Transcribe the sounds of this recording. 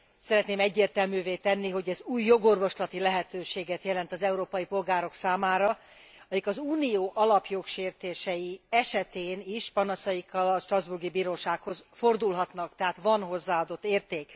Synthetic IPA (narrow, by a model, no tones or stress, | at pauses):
sɛɾɛt̪neːmɛɟːeːrt̪ɛlmyːveːt̪ɛnːiɦo̞ɟɛzuːjːo̞ɡo̞rvo̞ʃlɒt̪ilɛɦɛt̪øːʃeːɡɛt̪jɛlɛnt̪ɒzɛuɾoːpɒjipo̞lɡaːɾo̞ksaːmaːɾɒ | ɒjikɒzuːnijoːʔɒlɒpjo̞kʃeːrt̪eːʃɛjiɛʃɛt̪eːniʃpɒnɒsɒjikʰːɒlɒʃt̪rɒzburɡibiːɾoːʃaːkho̞zfo̞rd̪ulɦɒt̪nɒkt̪ɛɦaːt̪ʋɒnɦo̞zːaːɒd̪o̞t̪ːeːrt̪eːk